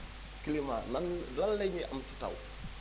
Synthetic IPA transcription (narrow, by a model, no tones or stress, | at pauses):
kilimananlalːɛɲiʔɐ̰msita̰w